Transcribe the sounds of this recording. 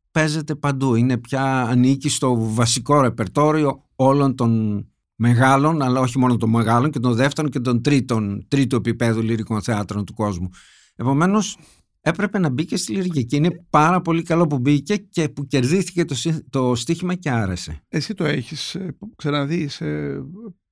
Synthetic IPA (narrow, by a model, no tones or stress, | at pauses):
pe̞ze̞t̪e̞pɐnd̪uine̞pçɐːnicist̪o̞vɐsiko̞ɾe̞pe̞ɾt̪o̞ɾio̞ | o̞lo̞nt̪o̞n | me̞ɣɐlo̞nɐlɐo̞çimo̞not̪o̞mmeɣɐlo̞ɲce̞t̪o̞nðeft̪e̞ɾo̞ɲce̞t̪o̞nt̪ɾit̪ont̪ɾit̪ue̞pipe̞ðuliɾiko̞nθe̞ɐt̪ɾo̞nt̪uko̞zmu | e̞po̞me̞no̞s | e̞pɾe̞pe̞nɐbice̞st̪iliɾʝiceine̞pɐɾɐpo̞likɐlo̞pubice̞ce̞puce̞ɾðiθice̞t̪osit̪o̞st̪içimɐceɐɾe̞se̞̰esit̪o̞eçisksɐnɐðise